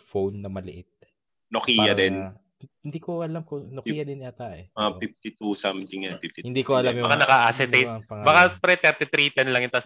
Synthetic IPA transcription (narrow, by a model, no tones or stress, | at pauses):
fownːɐmɐlɪʔɪt̪̚ | nokijɐd̪ɛn | ɪnd̪iːkoʔɐlamkonokijɐd̪ɪnat̪aʔɛafif̚t̪ɪt̪usamt̪ɪŋjanfɪft̪hɪnd̪ikoɐlambɐkanɐkaʔasɛt̪ejt̪̚bɐkapɾɛt̪ɛɾt̪ɪt̪ɾiːt̪ɛnlɐŋjʊnt̪ɐs